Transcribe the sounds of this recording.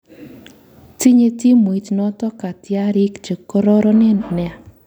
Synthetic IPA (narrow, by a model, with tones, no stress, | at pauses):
ti˦ɲe˦ti˦mo˨i˨˦tnɔ˦tɔ˦ka˨tja˦ɾɪ˦kd͡ʒe˨ko˦ɾɔ˦ɾɔ˦nɪ˦nɛ˨a˨